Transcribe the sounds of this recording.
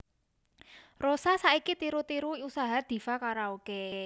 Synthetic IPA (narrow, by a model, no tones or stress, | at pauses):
rosasaikit̪iɾut̪iɾuusaɦad̪̥i̤fakaɾauɡ̥e